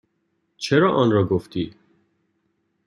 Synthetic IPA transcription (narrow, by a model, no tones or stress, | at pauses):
t͡ʃʰeɾɒːʔɔːnɾɒːɡoft̪iː